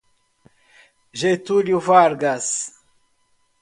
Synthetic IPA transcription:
ʒet̪uljufaːɾɡas

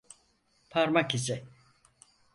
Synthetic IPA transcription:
pʰaɾmakisɛ

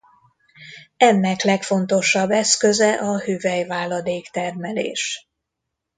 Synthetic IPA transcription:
ɛnːɛklɛkfo̞n̪t̪o̞ʃɒbːɛskø̞zɛʔɒhyːvɛjvaːlɒd̪eːkt̪ɛrmɛlḛːʃ

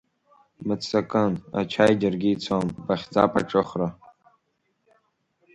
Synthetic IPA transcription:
mɨt͡sʰʼːakʼɨna̰t͡ʃʰajd͡ʒarɡʲiːt͡sʷʰambaχʲd͡za̰pʼa̰ʈ͡ʂʼɨχra

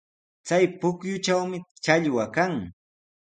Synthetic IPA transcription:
t͡sajpʊkjʊt͡ʃawmɪt͡ʃaʎwakaŋ

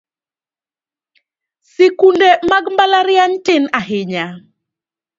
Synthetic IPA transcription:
sikundemaɡmbalaɾɪjantɪnaɦɪɲa

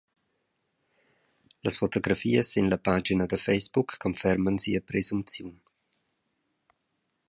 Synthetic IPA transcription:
ləsfot̪oɡɾafiːəsinləpad͡ʒinəd̪əfɛjsbukːɔnfɛɾmənsiəpɾezumpt͡sjun

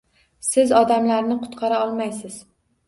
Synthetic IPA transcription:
sɪzɒd̪amlaɾnɪqʰʊ̥t̪qʰɑɾaɒlˠmajsɪz̥

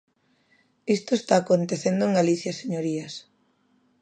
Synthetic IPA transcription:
ist̪oest̪aːkont̪eθend̪oeŋɡaliθjaseɲoɾiɐs

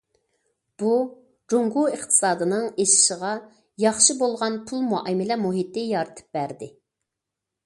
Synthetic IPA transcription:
b̥u | d͡ʒoŋɡuəχt̪ʰɨ̥sɑːd̪ɨnɨŋeʃɪ̥ʃəʁɑ | jɑχʃibolˠʁɑnpʰulˠmuʔɛmɪlɛmuɦit̪ɪjɑɾɨt̪ʰɨ̥p̚bæɾd̪ɪ

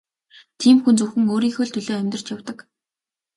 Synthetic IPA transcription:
t̪ʰiːmxunt͡suwxɘ̆ŋoːɾiːŋxɵɮt̪ʰɵɮoːæmʲt̪̆r̥t͡ɕjawt̪ə̆k

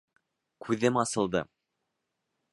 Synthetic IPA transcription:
kʰʉðɘmɑsɤ̆lˠd̪ɤ̰

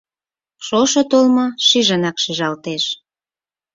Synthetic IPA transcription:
ʃoʃŏt̪olmŏʃiʒənɑkʃiʒɑlt̪eʃ

